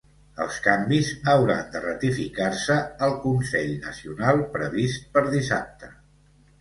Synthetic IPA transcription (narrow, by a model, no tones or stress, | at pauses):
ə̰lˠskambizəwɾa̰nd̪ərət̪ifikarsəːlˠkunsɛʎnəsiunalˠpɾəβist̪̚pəɾðisap̚t̪ə